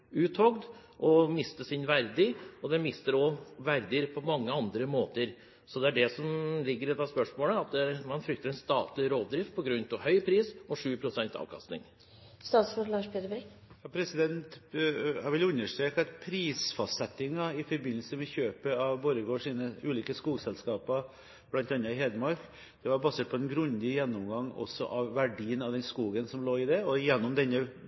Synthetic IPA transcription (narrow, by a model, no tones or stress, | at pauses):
ʉːt̪hɔɡd̪ | ʔɔmɪst̪əsɪnʋæɾd̪ɪɔd̪ɛnmɪst̪əɾɔʋæɾd̪əɾpʰɔmɑŋːəɑnd̪ɾəmoːt̪əɾ | sɔd̪ɛæɖɛsɔmlɪɡːəɾɛt̪ːɑspœʂmoːləɑt̪̚d̪ɛæɾmɑnfɾʏk̚t̪əɾɛnst̪ɑ̰ːt̪lɪɾoːd̪d̪ɾɪft̪̚pʰɔɡɾʉnt̪ɑʋhœʏpʰɾiːsɔʂʉːpʰɾʊsɛnt̪ʰɑ̰ːʋkʰɑ̰st̪nɪ̰ŋ | st̪ɑːt̪sfɔlɑːʂpʰjøːd̪ɾbɛɡ | jɑpʰɾɛsɪd̪ɛnt̪hɑɾʋɛlʉnːəʂt̪ɾeːkɑt̪pʰɾiːsfɑst̪sɛt̪ːɪŋɑɪfɔɾbɪnːəlsəmɛçøːpəɑʋbɔɾəɡoːʂiːnəʉːliːkəskuːɡsɛlskɑːpə | b̥lɑnt̪ɑnːɑɦeːd̪əmɑɾk | d̪̥ɛʋɑɾbɑseːʈ̪̚pʰɔɛnɡɾʉnd̪ɪjɛnːɔmɡɑŋːɔ̰sːɔ̰ʔɑʋʋæɖiːənɑʋd̪ɛnskuːɡənsɔmloːɪd̪ɛɔjɛnːɔmd̪ɛnːə